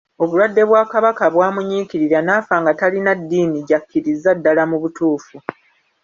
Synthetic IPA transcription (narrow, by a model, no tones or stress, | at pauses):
o̞βulwadːe̞βwaːkaβakaβwaːmuɲiːkiɾiɾanaːfaːŋɡatalinadːiːniɟakːiɾizːadːalamuβutuːfu